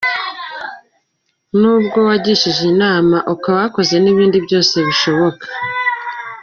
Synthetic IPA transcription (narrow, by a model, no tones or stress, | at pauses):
nuːb̚ɡo̞waɟiʃiʒinaːmaʔukawako̞ze̞niβiːndibjo̞ːse̞βiʃo̞βo̞kʰḁ